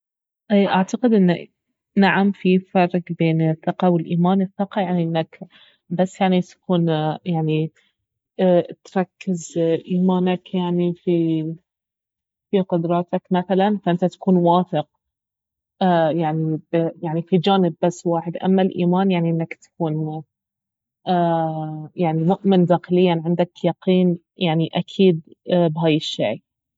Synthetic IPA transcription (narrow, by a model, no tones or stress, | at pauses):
ʔeːʔaʕt̪aqɪd̪ʔɪnːa | naʕamfifɑrˤːɡbeːnɪθːɪqɑwɪlʔiːmaːnɪθːɪqɑjaʕniʔɪnːak | basːjaʕnit̪ḁkuːnjaʕni | t̪ɾˤɑkːɪzʔiːmaːnakjaʕnifi | fiqʊd̪ɾˤɑːt̪akmaθalanfaʔɪnt̪at̪ḁkuːnwaːθɪq̚ | ajaʕnijaʕnifid͡ʒaːnɪbːasːwaːħɪd̪ʔa̰mːalʔiːmaːnjaʕniʔɪnːakt̪ḁkuːn | ʔːjaʕnimʊʔmɪnd̪aːxɪlɪjːanʕɪnd̪akjɑqʰiːn | jaʕniʔakʰiːd̪̚bɦaːjɪʃːḛː